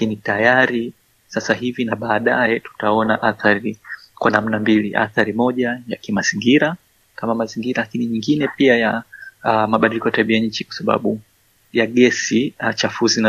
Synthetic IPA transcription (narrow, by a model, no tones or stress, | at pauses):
lakinitajaɾi | sasahivinaɓaːɗajɛtu̥taɔnaʔaθaɾi | kwanam̩nambilḭʔa̰θaɾimɔʄajakimaziŋɡiɾa | kamamaziŋɡiɾalakiniɲiŋɡinɛpiaja | maɓaɗilikɔjataɓiaɲ̩t͡ʃikwḁsaɓa̰ɓu | jaɠɛsiat͡ʃafuzina